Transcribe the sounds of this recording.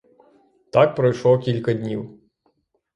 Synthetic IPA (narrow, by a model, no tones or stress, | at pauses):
t̪ɑk̚pɾɔjʃlˠɔkʲilʲkɐd̪ʲnʲiw